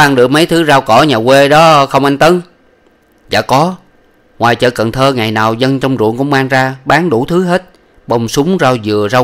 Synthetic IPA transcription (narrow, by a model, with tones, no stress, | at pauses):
a˧nɗɨ˨˩ək̚mə˨˦jt̪ʰɨ˨˦zaː˧wkɔ˧˩ɲaː˨˩kwe˧ɗɔ˨˦xə˧wŋ͡mʔa˧ŋ̟t̪ə˨˦n | za̰ː˧˩kɔ˨˦ | ŋwaː˨˩jt͡ɕə̰ː˧˨˩kə˨˩nt̪ʰəː˧ŋa˨˩jnaː˨˩wzə˧nt͡ɕɔ˧wŋ͡mzṵ˧˨əŋkʊ̰˧˥ŋ͡mmaː˧ŋzaː˧ɓaː˨˦ŋɗu˧˩t̪ʰɨ˨˦ɦe˦˥t̚ | ɓə˧wŋ͡msʊ˨˦ŋ͡mzaː˧wzɨ˨˩əzaː˧w